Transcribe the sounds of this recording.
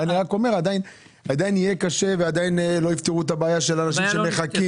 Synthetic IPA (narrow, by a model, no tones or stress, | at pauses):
aniʁako̞me̞ʁad̪ain | ad̪ainije̞kaʃe̞vead̪ainlo̞ift̪iʁuet̪abaajaʃe̞lanaʃ̬imʃemeχaki